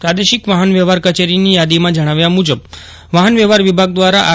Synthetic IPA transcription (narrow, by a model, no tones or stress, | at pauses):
pɾad̪eʃɪkʋaɦənʋɛʋaɾkət͡ʃeɾinijad̪imãd͡ʒəɽ̃aʋjamud͡ʒəb | ʋaɦənʋɛʋaɾʋibʱaɡ̚d̪ʋaɾaʔa